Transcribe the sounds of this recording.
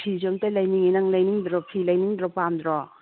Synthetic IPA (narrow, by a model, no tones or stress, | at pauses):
pʰizɔmtalɐjniŋinɐŋlɐjniŋdɾɔpʰilɐjniŋdɾɔpamd̪ɾɔ